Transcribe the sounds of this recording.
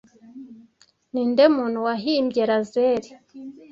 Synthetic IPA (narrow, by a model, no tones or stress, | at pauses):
niːndemun̤uwaɦimbɟeɾazeɾi